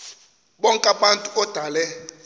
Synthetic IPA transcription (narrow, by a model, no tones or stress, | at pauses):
ɓɔŋkʼaɓantʼuɔd̥ʱalɛ